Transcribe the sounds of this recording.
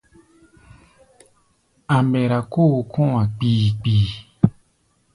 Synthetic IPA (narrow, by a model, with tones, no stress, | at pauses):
a˨mbɛ˨ɾa˨ko˦˨kʰõ˦wã˨k͡piː˨k͡piː˨